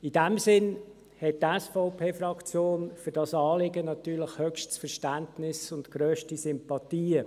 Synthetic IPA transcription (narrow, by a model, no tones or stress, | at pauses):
id̥æmsɪn | hɛt̚tɛsfɔʊpʰeːfrɑkt͡sjoːnfʏɾd̥ɑsɑːlɪɡənɑt̪yːɾləχhœkʃtsfəɾʃtæntnɪsʊntɡ̥ɾøːʃtisʏmpɑtiːə